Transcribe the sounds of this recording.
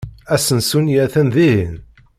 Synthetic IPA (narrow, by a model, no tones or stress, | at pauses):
æsənsunjæθənðiin